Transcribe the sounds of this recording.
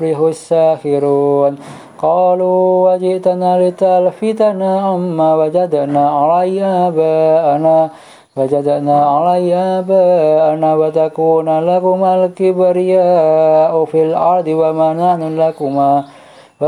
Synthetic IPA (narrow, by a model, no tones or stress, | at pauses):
liɦusakiɾun | qɑːluwad͡ʒiʔt̪analit̪alfit̪anaʔamːawad͡ʒad̪anaʔalajabaːna | wad͡ʒad̪anaʔalajabaʔanawat̪akuːnalakumalkibaɾijaʔufilʔɑɾd̪iwamananalakuma | wa